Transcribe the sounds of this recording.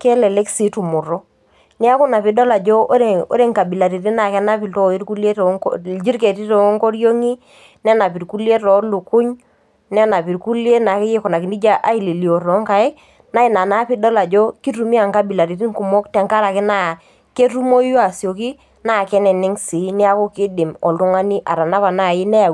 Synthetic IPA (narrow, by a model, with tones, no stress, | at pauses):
kɛ˦lɛ˨lɛ˦ksi˨˦tu˨mu˨ɾo˦ | nɛ˦a˦kʊ˦na˨pɪ˦dɔ˦la˨d͡ʒo˦o˦ɾe˨o̰˦ɾe˦ŋka˨bi˨la˨ɾi˨ɾi˦na˨kɛ˦na˦pi˨lto˦˨i˦ɾku˦le˦td͡ʒi˦ɾk̬e˨ti˦to˨˦ŋko˦ɾjo˦ŋi˦ | nɛ˦na˨pi˨ɾku˦le˦tɔ˨˦lu˨kʊ˦ɲ | nɛ˦na˨pi˨ɾku˦lje˦na˨kɪ˦je˦kɔ˨na˨kɪ˨ni˦d͡ʒa˦ʔa˦i˨le˨ljo˨rɔ˨˦ŋka˨e˦ | na˦ɪ˨na˨na˦pɪ˦dɔ˦la˨d͡ʒɔ˦ki˦ɾu˨mi˦a˨ŋka˦bi˨la˨ɾi˨ɾi˦ŋku˨mɔ˦k̚tɛ˨ŋka˦ɾa˨kɪ˦na˦˨ | ke˦ru˦mo˦ju˦a˨sjo˨ki˦ | na˦˨kɛ˦nɛ˨nɪ˦ŋsi˨˦nɪ˦a˦ko˦kɪ˦dɪ˨mɔ˨ltʊ˦ŋa˦ni˦ʔa̰˨ɾa˨na˦pa˨na˦˨jɪ˦nɛ˦a˨